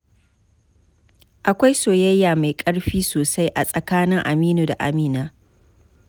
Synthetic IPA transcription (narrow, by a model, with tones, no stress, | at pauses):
ʔa˨kʷa˦jsoː˨jɐ˦jːaː˨ma˨jkʼɐ˦ɽɸiː˦soː˨sa˦jʔa˨sʼɐ˨kaː˦nɪ˦ŋʔa˨miː˦noː˨da̰˨ʔa̰˨miː˦naː˦